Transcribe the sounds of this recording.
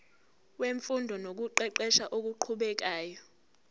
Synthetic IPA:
weɱfundʱɔnok̬uǃɛǃɛʃaʔok̬uǃʰuɓɛk̬aːjɔ

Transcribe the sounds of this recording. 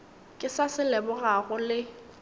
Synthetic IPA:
kʼɪsasɪlɛbʊɣaɣʊlɪ

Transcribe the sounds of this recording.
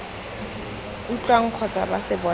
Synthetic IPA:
ut͡ɬʼwaŋ̩q͡χʰɔt͡sʼabasɪbɔ

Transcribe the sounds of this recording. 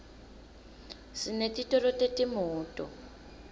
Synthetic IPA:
sinetʼitʼɔrɔtetʼimʊːtʼɔ̰

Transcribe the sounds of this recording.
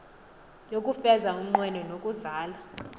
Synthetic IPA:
jokʼufɛzaum̩ŋ͡ǃwɛnɔnokʼuzaːla

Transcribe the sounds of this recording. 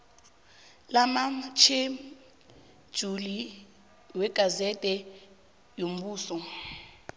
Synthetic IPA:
lamat͡ʃʰe | d̥ʒ̥ʱuli | wɛɡ̥ʱazɛtʼɛ | jom̩buːsɔ

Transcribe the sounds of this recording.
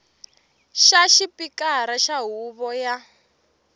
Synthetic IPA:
ʃaʃipikaɾaʃaɦuβɔja

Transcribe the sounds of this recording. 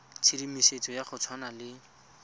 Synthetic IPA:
t͡sʰidimiset͡sʼɔjaχʊt͡sʰwanalɪ

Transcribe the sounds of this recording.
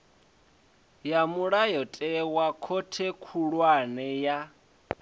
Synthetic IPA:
jamuɺajɔtʼɛwakʰotʰekʰuɺwanɛja

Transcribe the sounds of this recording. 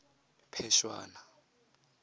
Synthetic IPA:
pʰɛʃwa̰ːna

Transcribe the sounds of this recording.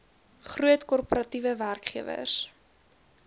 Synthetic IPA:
χruətkɔrpoɾɐtivəværkχiəvə̰s

